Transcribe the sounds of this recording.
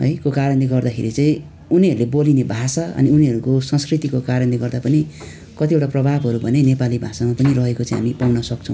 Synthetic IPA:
ɦʌ̰jkokaɾʌnd̪iɡʌrd̪akʰḛɾit͡sʌĩ | uniɦʌɾulebolinebʱasaʌ̰niuniɦʌɾukosʌ̃nskrit̪ikokaɾʌ̃nd̪iɡʌrd̪apʌni | kʌt̪ieʈaprʌbʱabʱɦʌɾubʱʌnenepalibʱasamapʌnirʌɦekot͡sãĩɦa̰mipawnʌsʌk̚t͡sʰʌ̃w̃

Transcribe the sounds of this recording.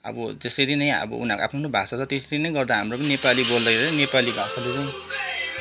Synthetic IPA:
ʌ̰bʌd͡zesʌɾinʌj̃ʌ̰bʌ̰ṵnaka̰pʰnnobʱasat͡sʰʌt̪esʌɾinʌj̃ɡʌrd̪aɦamropʌninepalibold̪ʌkʰeɾeʌnepalibʱãsaduɾu

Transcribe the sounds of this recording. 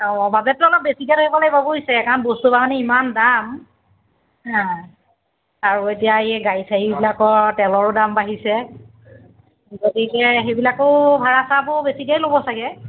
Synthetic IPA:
ɔbabɛtːʊɔlɔp̚besiɡatojpalajbabɔɦisɛɛkanbostubamanɛimandam | hã | aɹuetijaɛɡajsʰaɦibilakɔtɛlɔɹʊdambaɦisɛ | ɡotikɛxejbilakʊbʱaɹasabɔbesiɡajlobɔsaɡɛ

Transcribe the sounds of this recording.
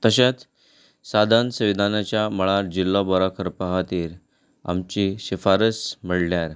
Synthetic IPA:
t̪əɕet͡s | sad̪ʱansəʋid̪ʱanat͡ɕjaməɭaɾd͡ʑilːɔbɔɾakʰəɾpaɦat̪iːɾ | a̰mt͡ɕiɕifaɾəsməɽljaɾ

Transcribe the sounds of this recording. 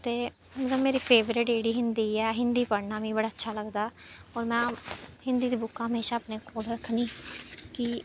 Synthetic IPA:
t̪eː | ɡəmeːɾiːpʰeːʋɾɪʈeːɽiːɦɪnd̪iːɛːɦɪnd̪iːpəɽnaːʋĩːbəɽaːətːʃʰaːləɡd̪aː | ɔːɾmɛ̃ːhɪ̃nd̪iːd̪iːbʊkʰːãːɦəmeːʃaːəpneːkʰoːlɾəkʰːnĩːkɪ

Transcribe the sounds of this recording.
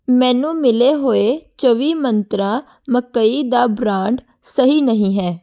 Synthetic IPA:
mɛ̃ːnũːmɪleːɦoːeːt͡ʃəʋiːmənt̪ɾãː | məkəiːd̪aːbɾãːɳɖ | səɦiːnəɦĩːɦɛː

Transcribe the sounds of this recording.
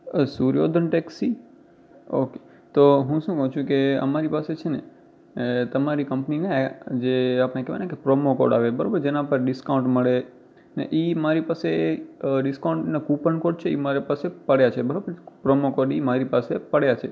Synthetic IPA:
suɾjo̰d̪ʱənʈeksi | o̰ke | t̪oɦũʃũkəɦũt͡ʃʰũkeə̰maɾipaset͡ʃʰene | t̪əmaɾikəmpninad͡ʒeapnekɛʋa̰nekepɾomoko̰ɾɖa̰ʋebəɾabəɾd͡ʒenãpəɾɖɪskaũɳʈməɭe | nḛʔimaɾipase | ɖɪskaũɳʈnakupənkoɾɖ̚t͡ʃʰeḭmaɾipasepəɽjat͡ʃʰebəɾabəɾpɾomokoɾɖimaɾipasepəɽjat͡ʃʰe

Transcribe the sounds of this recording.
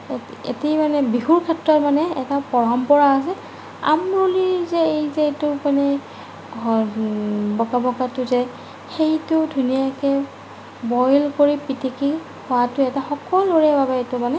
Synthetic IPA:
ḛtimanɛbiɦuɹkʰɛtɹɔtmanɛɛtapɔɹɔmpɔɹaːs̬ɛ | a̰mɹolizɛejzɛtʊmanɛ | ɔ | bɔkabɔkatʊzɛ | xejtʊdʱunijakɛ | bɔjlkoɹipiteki | hɔwatʊɛtaxɔkɔloɹɛbabɛtʊmanɛ

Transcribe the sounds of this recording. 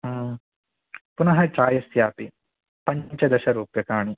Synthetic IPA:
ɐː | punɐɦɐʈɾaːjɐsjaːpi | pɐɲt͡ʃɐd̪ɐʃɐɾuːpjɐkaːɳi

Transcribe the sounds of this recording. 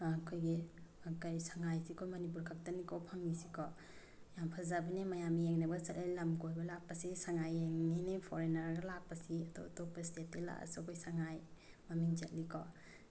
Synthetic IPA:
kʰojɡikajsaŋajsikʰojmɐnip̬uɾkʰak̚tanikʰɔpʰaŋnisikʰɔ | jampʰazabɐnimajamieŋnɐbɐsɐtlijlɐmkojbɐlak̚pɐsisaŋajeŋninipʰoɾenaɾɡɐlak̚pɐsiɐto̰top̚pːɐstet̚ːela̰ʔa̰sukʰojsaŋaj | mɐmiŋt͡ʃɐt̚likʰɔ

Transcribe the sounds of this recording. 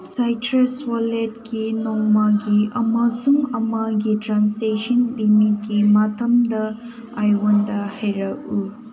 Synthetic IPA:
sajtɾeswaletkinɔŋmaɡiɐmɐsuŋɐmɐɡitɾansesɐnlimit̚kimatʰɐmdɐ | ajwondɐhajɾɐku

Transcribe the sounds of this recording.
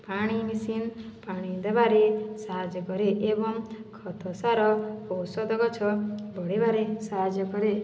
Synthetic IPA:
paɽ̃imisinpaɽ̃id̪ebaɾesad͡ʒɔkɔɾeʔebɔŋkʰɔt̪ʰɔsaɾɔkowsɔd̪ɔɡɔt͡ʃʰɔbɔɽebaɾesad͡ʒɔkɔɾe

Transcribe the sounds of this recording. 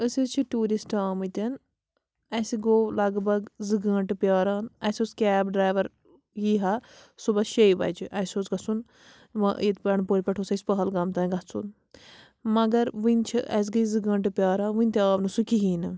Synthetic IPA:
əsit͡ʃʰiʈuːɾisʈaːmɨt̪ʲɐn | ɐsiɡoːlɐɡbɐɡzɨɡəːɳʈɨpʲjaːɾaːnɐsʲoːskʲɛːbɖɾaːjʋɐɾ | jiːɦasubɐʃejbɐ̰d͡ʒʰiʔɐsʲoːt͡sɡɐt͡sun | ʋɐ̰ʔjt̪pɐɳpoːɾʲpʲɐʈʰoːsɐsʲpɐɦɐlɡɐːmt̪ɐ̃ːɡɐt͡sʰṵn | mɐɡɐɾʋint͡ʃʰḭʔɐ̰s̬ɡɐizɨɡəːɳʈɨpʲaːɾãːnʋɨnʲt̪ʲaːʋnɨsukiɦiːnɨ

